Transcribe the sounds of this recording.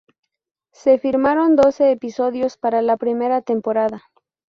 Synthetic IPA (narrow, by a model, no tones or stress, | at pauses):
se̞fiɾmaɾo̞nd̪o̞se̞ːpiso̞ðjo̞spaɾalapɾime̞ɾat̪e̞mpo̞ɾaða